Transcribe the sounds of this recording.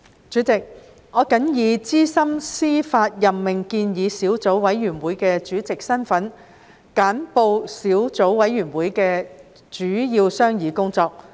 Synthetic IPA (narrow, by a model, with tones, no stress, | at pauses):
t͡ʃyː˨˥t͡sɪ˨k̚ | ŋɔː˨˧kɐ˨˥njiː˨˧t͡siː˥sɐ˥msiː˥faː˧t̚jɐ˨pmɪ˨ŋkiː˧njiː˨˧siː˨˥wt͡so˨˥wwɐ˨˥jɥyː˨˩nwuː˨˧˥jkɛː˧t͡ʃyː˨˥t͡sɪ˨k̚sɐ˥nfɐ˨˥n | kaː˨˥npo˧wsiː˨˥wt͡so˨˥wwɐ˨˥jɥyː˨˩nwuː˨˥jkɛː˧ | t͡ʃyː˨˥jiː˧wsœː˥ŋjiː˨˧kʊ˥ŋt͡sɔː˧k̚